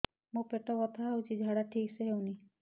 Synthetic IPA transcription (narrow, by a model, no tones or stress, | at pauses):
mopeʈɔkɔt̪ʰaɦwt͡ʃid͡ʒʱaɽaʈʰikseɦewni